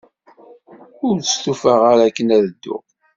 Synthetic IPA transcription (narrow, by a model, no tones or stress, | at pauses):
ʊɾt͡səst̪ufəʁaɾækːənæðəd̪ːʊ̰